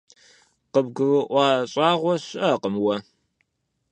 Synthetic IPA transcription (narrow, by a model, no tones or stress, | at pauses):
qəbɡʷʊruʔʷɑːɕʼɑːʁʷɔɕʷɐqəmwɐ